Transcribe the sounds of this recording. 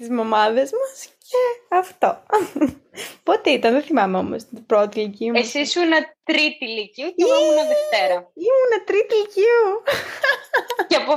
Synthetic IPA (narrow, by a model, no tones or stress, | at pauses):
t̪izmo̞mɐðezmɐsceɐft̪o | pot̪eit̪ɐnðeθimɐmeo̞mo̰st̪ibɾot̪iliciuesisunɐt̪ɾit̪iliciuomunɐðeft̪eɾɐiunɐt̪ɾit̪iliciu | cɐpo